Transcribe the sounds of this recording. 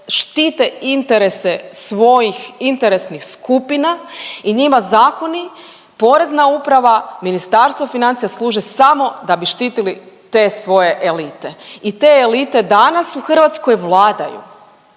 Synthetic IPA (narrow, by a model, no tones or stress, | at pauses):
ʃt̪iːt̪e̞int̪eɾe̞sesʋo̞jixint̪eɾe̞snixskupinaiɲimazaːko̞ni | po̞ɾe̞znaupɾaʋaminist̪aɾst̪ʋofinant̪ijaslˠuːʒesamo̞d̪abiʃt̪iːt̪ilit̪e̞sʋo̞je̞ʔelit̪e̞it̪eːlit̪e̞d̪anasuxr̩ʋat̪sko̞jʋlˠaːd̪a̰jṵ